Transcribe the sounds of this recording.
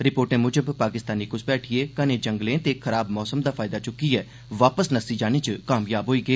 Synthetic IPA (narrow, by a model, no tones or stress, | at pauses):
ɾɪpoːɾʈẽːmʊd͡ʒəbpaːkɪst̪aːniːkʊsbɛːʈʰɪeːkəneːd͡ʒəŋɡlẽːt̪eːkʰəɾaːbmɔːsəmd̪aːpʰaːɪd̪aːt͡ʃʊkiɛː | ʋaːpəsnəsiːd͡ʒaːnẽːt͡ʃəkaːmjaːbɦoːiːɡəeː